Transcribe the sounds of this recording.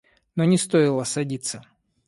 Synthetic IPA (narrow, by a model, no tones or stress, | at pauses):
nonʲɪst̪oɪlˠəsɐdʲit̪sə